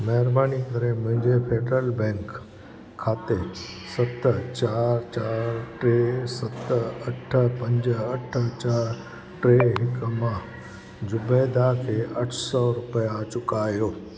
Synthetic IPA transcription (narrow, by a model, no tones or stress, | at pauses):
mɐɦəɾbaːnikɐɾemʊ̃ɦɪ̃ɲd͡ʑepʰeːɖɾəlbɛ̃ːŋkʰː | aːt̪e | sɐt̪t͡ɕaːɾt͡ɕaːɾʈɾesɐt̪ɐʈʰəpɐ̃ɲd͡ʑəɐʈʰət͡ɕaːɾ | ʈɾeːɦɪkmãː | d͡ʑʊbed̪akʰeːʔɐʈʰsɔɾʊpəjat͡ɕʊkaːjoː